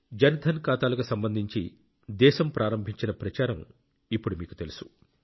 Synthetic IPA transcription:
d͡ʒɐnɐd̪ʱɐnkaːt̪aːlɐkusɐmbɐnd̪ʱiɲt͡ʃi | d̪ɛːʃɐmpɾʔaːɾɐmbʱiɲt͡ʃinɐpɾɐt͡ʃaːɾɐm | ipːuɽumiːku̥t̪e̞lusu̥

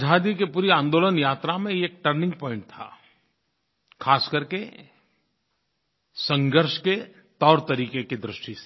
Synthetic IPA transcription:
d͡ʒʱaːd̪ikepuːɾiãːnd̪oːlənjaːt̪ɾamẽeːk̚ʈəɾnɪ̃ŋɡ̚pɔ̃ːɪ̃ɳʈ̚t̪ʰa̰ː | kʰaːskəɾke | sə̃ŋɡəɾʃke | t̪ɔːɾt̪ɐɾiːkeked̪ɾɪʃʈis

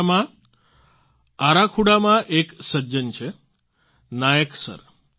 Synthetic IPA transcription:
mã | aɾakʰuɽamãʔeksəd͡ʒənt͡ʃʰe | najəksə̰ɾ

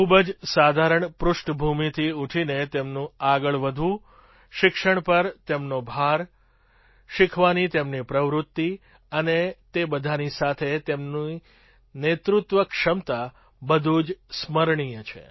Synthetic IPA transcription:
kʰubəd͡ʒsad̪ʱaɾəɳpɾʊʃʈbʱumit̪ʰiuʈʰinet̪emnũaɡəɭʋəd̪ʱu | ʃɪkʃəɳpəɾt̪emnobʱaɾ | ʃɪkʰʋanit̪emnipɾəʋɾʊt̪ːi | ənet̪ebəd̪ʱanisat̪ʰet̪emni | net̪ɾʊt̪ʋəkʃəmt̪a | bəd̪ʱud͡ʒsməɾɳijət͡ʃʰḛ

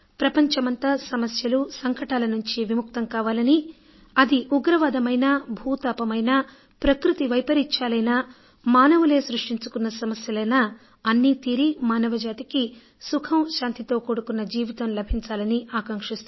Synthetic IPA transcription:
pɾɐpɐɲt͡ʃɐmɐnt̪ɐsɐmɐsjɐlusɐŋkɐʈaːlɐnuɲt͡ʃiʋimuk̚t̪ɐŋkaːʋaːlɐni | ɐd̪iʔuɡɾɐʋaːd̪ɐmɐjnɐbʱuːt̪aːpɐmɐjnɐ | pɾɐkɾut̪iʋɐjpɐɾit͡ʃːaːlɐjnɐ | maːnɐʋule̞ːsɾuʂʈiɲt͡ʃukunːɐsɐmɐsjɐlɐjnɐ | ɐnːit̪iːɾimaːnɐʋɐd͡ʒaːt̪iki | sukʰɐmʃaːnt̪it̪o̞ːkoːɽukunːɐd͡ʒiːʋit̪ɐmlɐbʱiɲt͡ʃaːlɐniaːkɐŋkʂist̪u

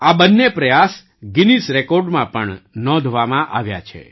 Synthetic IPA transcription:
abənːepɾəjas | ɡinisɾekɔɾɖmãpəɳnɔ̃d̪ʱʋamãʔa̰ʋja̰t͡ʃʰḛ

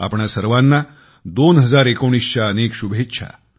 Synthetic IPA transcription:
a̰pɳasəɾʋanːa | d̪onɦəd͡zaɾekoɽ̃isɕaənekɕubʱett͡ɕʰa̰

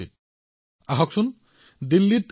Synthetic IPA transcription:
ḭt̪̚ | aɦɔksun | d̪ilːit̪

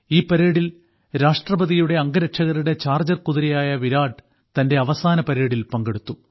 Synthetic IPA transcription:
iːpːɐɾeːɽil | ɾaːʂʈrɐbɐðijuɽe̞ɐŋɡɐɾɐʈʂʰɐɣɐɾuɽe̞t͡ɕaːrd͡ʑɐrkuðiɾijaːjɐʋiɾaːɖ | t̪ɐnde̞ɐʋɐsaːnɐpɐɾeːɽilpɐŋɡe̞ɽut̪ːu

